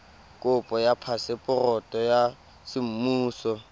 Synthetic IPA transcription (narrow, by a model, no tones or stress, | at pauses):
kʼʊpʼɔjapʰasɪpʼʊrɔtʼɔja | sɪm̩muːsɔ